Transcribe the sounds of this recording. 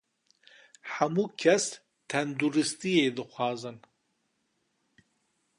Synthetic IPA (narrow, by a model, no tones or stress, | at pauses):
ħamuːkʰɛs | t̪ʰɛnd̪uɾɨst̪ijeːd̪ɨxʷɑːzɨn